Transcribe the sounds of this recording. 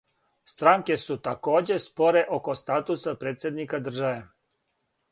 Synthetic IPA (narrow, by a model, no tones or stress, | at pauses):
st̪ɾaŋke̞sut̪ako̞ːd͡ʑe̞spo̞ɾe̞ʔo̞ko̞st̪aːt̪usapɾeːt̪sʲjed̪nikad̪r̩ʒaʋe